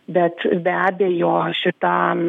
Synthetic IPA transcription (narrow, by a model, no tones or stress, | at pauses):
bʲɛt̪bʲæːbʲeːjoːʃʲɪt̪ɑː